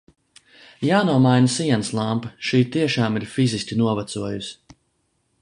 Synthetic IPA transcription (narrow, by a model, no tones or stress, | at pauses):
jaːnuɔmajnasiɛnslˠampaʃiːt̪iɛʃaːmiɾfizisʲkʲinuɔvat̪suɔjus